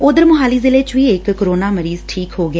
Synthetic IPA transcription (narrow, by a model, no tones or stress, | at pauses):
ʊːd̪əɾmʊɦaːliːzɪleːt͡ʃʋiːɪkːəɾoːnaːməɾiːzʈʰiːkɦoːɡɪeː